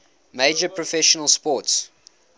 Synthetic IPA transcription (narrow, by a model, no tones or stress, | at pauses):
meɪd͡ʒəpʰɹɔfɛʃənəlˠspɔts